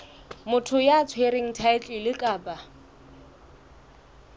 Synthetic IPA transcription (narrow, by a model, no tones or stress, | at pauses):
mʊtʰʊjat͡sʰweɾeŋ̩tʰaɪt͡ɬʼɪlɪkʼaːpʼa